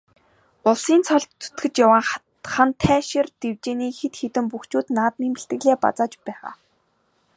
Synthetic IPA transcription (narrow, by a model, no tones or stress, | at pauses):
ʊɮsiːnt͡sʰɔɮt̪t͡sʰu̥t̪ɡɘ̆t͡ɕjawaːŋ | χant̪ʰæːʃirt̪ewt͡ɕeːniːxet̪xet̪ɘ̆mpuxt͡ɕuːt̪naːt̪̚nemɘ̆ɬt̪ɡɘ̆ɣɮeːpa̰t͡saːt͡ɕpæːʁa̰ː